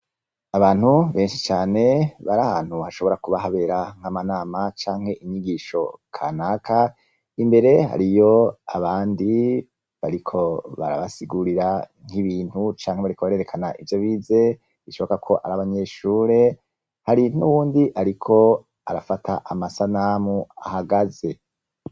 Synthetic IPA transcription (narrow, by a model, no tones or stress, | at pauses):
aβaːnhuβe̞ːnʃi̥t͡ʃaːne̞βaɾahaːn̥huhaʃo̞βo̞ɾakuβaɦaβe̞ɾaŋ̥hamanaːmat͡ʃaːŋ̥he̞ʔiɲiɡiʃo̞kʰanaːkʰa | imbe̞ɾe̞ɦa̰ɾijo̞aβaːndi | βaɾikʰo̞βa̰ɾa̰βasiɡuɾiɾaŋ̥iβiːnhut͡ʃaːŋheβaɾikʰoβaɾe̞ɾekʰanaʔivjo̞βiːze̞ | iʃoβokakʰo̞ʔaɾaβaɲe̞ːʃuːɾe̞ | haɾin̥uwuːndiʔaɾikʰo̞ | a̰ɾafatʰaʔamasanaːmua̰haɡaze̞